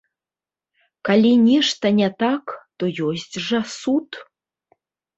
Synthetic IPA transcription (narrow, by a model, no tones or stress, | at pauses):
kalʲinʲiʂt̪ɐnʲɛt̪akt̪ojosʲtʲʐɐsut̪